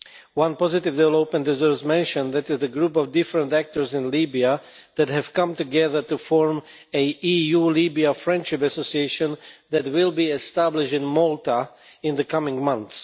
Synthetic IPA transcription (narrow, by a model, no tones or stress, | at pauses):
wʌ̃npɔzɨtɪvdɛvɛloʊpmɨ̃ndɨzɜ˞smɛ̃nʃə̃nðɨɾɪzðɨɡɹupɔvdɪfɹə̃ntæk̚tə˞zɪ̃nlibiə | ðɨt̚ɦɨv̥kʌ̃mtɨɡɛðə˞tufɔɹm | ɨʔijulibiəfɹɛ̃nʃɪpɨsosieɪʃɨ̃nðɨt̚wɪlˠbiɛstæblɪʃtɪ̃nmɔlˠtəɪ̃nðɨkʰʌmɪ̃ŋmʌ̃nθs